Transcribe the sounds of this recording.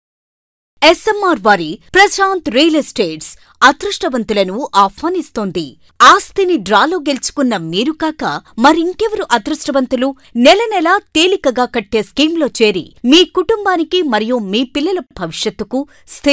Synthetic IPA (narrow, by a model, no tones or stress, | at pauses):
esemːaːɾʋaːɾipɾɐsaːnt̪ɾeːlesʈeːʈs | ɐd̪ɾuʂʈɐʋɐnt̪ulɐnuʔaːpʰmaːnist̪oːnd̪i | aːst̪ʰiniɖɾaːloːɡe̞lt͡ʃu̥kunːɐmiːɾukaːkɐmɐɾiŋkeʋɐɾuʔɐd̪ɾuʂʈɐʋɐnt̪ulu | nɛlɐnɛlaːt̪e̞ːlikɐɡaːkɐʈːe̞ːskiːmlo̞ːt͡ʃe̞ːɾḭmiːkuʈumbaːnikimɐɾijuːmiːpilːɐlɐbʱɐʋiʂjɐt̪ːuku | st̪ʰi